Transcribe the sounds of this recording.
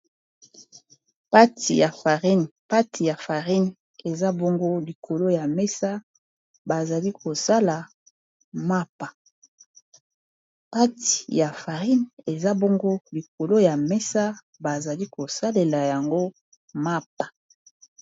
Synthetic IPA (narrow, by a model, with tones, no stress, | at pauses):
pa˦ti˨ja˨fa˨ʁi˦npa˦ti˨ja˨fa˨ʁi˦n | e˨za˦bo˦ŋɡo˦li˨kʰo˨lo˦ja˨mɛ˦sa˦ | ba˨za˨li˦ko˨sa˦la˨ | ma˦pa˨ | pa˦ti̥˨ja˨fa˨ʁi˦ne˨za˦bo˦ŋɡo˦li˨ko˨lo˦ja˨mɛ˦sa˦ | ba˨za˨li˦ko˨sa˦le˨la˨ja˨ŋɡo˦ | ma˦pḁ˨